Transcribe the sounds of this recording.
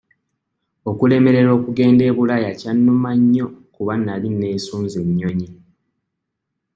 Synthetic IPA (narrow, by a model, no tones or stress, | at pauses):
o̞kule̞me̞ɾe̞ɾo̞ːkuɡe̞ːnde̞ːβulajacanːumaɲːo̞kuβanːalinːe̞ːsuːnzeɲːo̞ɲi